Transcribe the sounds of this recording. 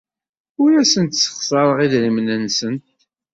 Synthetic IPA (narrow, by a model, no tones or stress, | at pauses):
ʊɾæsənt̪sə̥χsˤɑɾˤəʁiðɾimnənsənt̪̚